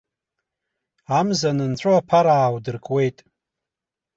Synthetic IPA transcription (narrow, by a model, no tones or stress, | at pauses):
amzanɨnt͡ɕʷʰoapʰaɾaːwdɨrkʼwe̞jtʼ